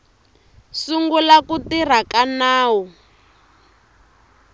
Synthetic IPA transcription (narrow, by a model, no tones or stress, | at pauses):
suŋɡulakutir̤akanaːwu